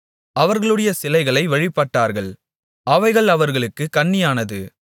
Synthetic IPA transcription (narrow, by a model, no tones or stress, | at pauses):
ʔɐʋɐɾɣɐɭɯɽɐjɐsɪlɐɪɣɐɭɐɪʋɐɻɪpːɐʈːaːɾɣɐɭ | ʔɐʋɐɪɣɐɭɐʋɐɾɣɐɭɯkːɯkɐɳːɪjaːnɐðɯ